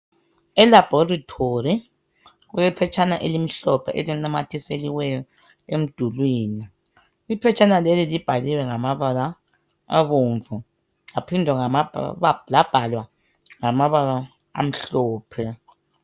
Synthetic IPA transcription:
ɛlab̥ʱɔratʰori | ɣuɛpʰɛt͡ʃʰʼanaʔelim̩ɬɔpʰɛ̰ʔelinamatʰiseliwɛjɔ | em̩d̥ʱulwiːni | ipʰɛt͡ʃʰʼanalelilib̥ʱaliwɛŋamaβala | aβoːɱvu | ŋapʰindʱwɛŋamalab̥ʱalwa | ŋamaβala | a̰m̩ɬɔːpʰɛ

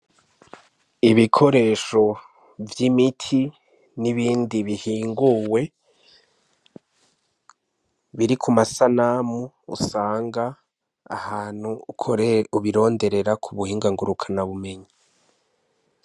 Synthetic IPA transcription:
iβikʰo̞ɾe̞ːʃo̞ | vjimitʰi | niβiːndiβihiːŋɡuwe̞ | βiɾikʰumasanamṵːsaːŋɡa̰ː | haːn̥hukʰuβiɾo̞ːnde̞ɾe̞ɾakʰuβuhiːŋɡaŋɡuɾukʰanaβume̞ɲi

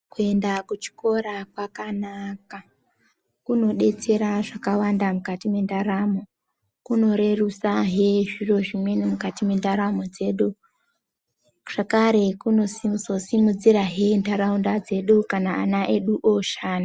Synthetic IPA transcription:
kue̞ndakut͡ʃi̥ko̞ɾakwakanaka | kuno̞ɗe̞t͡se̞ɾaʐakawandamukatimwe̞ndaɾamo̞ | kuno̞ɾe̞rusaɦe̞ʐiro̞ʐimwe̞nimukatimwe̞ndaɾamo̞d͡ze̞ɗu | ʐ̥akaɾe̞kuno̞sizo̞simud͡ziɾaɦe̞ndaɾaundad͡ze̞ɗukana̰ːnaʔe̞ɗuʔoʃaːna

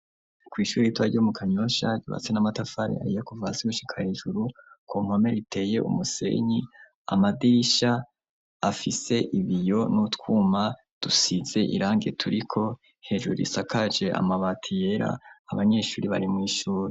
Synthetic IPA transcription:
kwiːʃuːɾiitwaɾɟomukʰaɲo̞ʃaɟṵβa̰t͡se̞namatafaɾḭa̰ɾijekuvasiɡuʃi̥kʰaheʒuɾukʰoŋ̥ome̞ɾitʰe̞ːje̞ʔṵmuse̞̰ɲi | a̰madiɾiʃaː | fise̞ʔiβijo̞nutkwuma | d̥usiz̥e̞ʔḭɾaːŋɡetʰuɾikʰo̞ | he̞ʒuɾuɾḭsakad͡ʒe̞ʔa̰maβatʰije̞ɾa̰ːβaɲe̞ːʃuːɾiβaɾimŋiːʃuːɾi

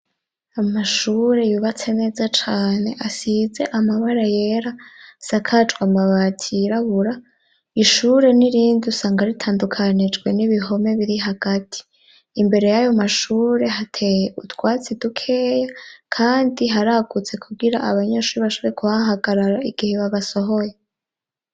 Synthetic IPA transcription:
amaʃuːɾe̞juβat͡se̞ne̞ːzat͡ʃaːne̞ʔasize̞ʔamaβaɾaje̞ɾasakʰat͡ʃɡwamaβatʰiɾaβuɾa | iʃuːɾe̞niɾiːndusaːŋɡaɾitʰaːndukʰanid͡ʒɡwe̞niβiɦo̞me̞βiɾiɦaɡ̥atʰi̥ː | mbe̞ɾe̞jajo̞maʃuːɾe̞ɦatʰejeutwaːt͡sidukʰe̞ːjakʰaːndiɦaɾaɡut͡se̞kʰuɡiɾa̰ʔaβaɲeʃuːɾiβaʃuːɾe̞kuβaɦaɡaɾaɾaiɡ̥iheβaβaso̞ɦo̞je

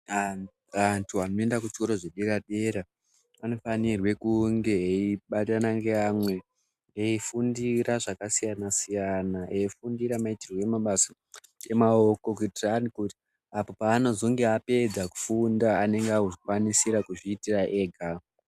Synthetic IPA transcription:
antʰuanoe̞ndakut͡ʃi̥ko̞ɾo̞ʐeɗeɾaɗeɾa | ano̞fanirwe̞kuŋɡeeiɓatanaŋɡeamwe̞ | eifundiɾaʐakasijanasijanaeifundiɾamaitirweemaɓasḁ | e̞mao̞ko̞kuitiraːrikuti̥ | apo̞paːno̞zoŋɡeape̞d͡zaku̥fundaːne̞ŋɡeakuʐikwanisiɾakuʐiːtiraʔe̞ːɡʱa

